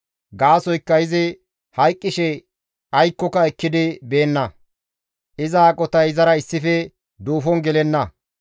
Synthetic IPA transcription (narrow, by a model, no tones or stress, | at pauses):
ɡaːsɔjkːɐjɪzɪ | hɐjkʼːɪʃɛ | ɐjkːɔkɐɛkːɪd̪ɪbe̞ːnːɐ | ʔɪzaːkʼɔt̪ɐjzɐɾɐɪsːɪfɛ | d̪uːfɔnɡɛlɛnːɐ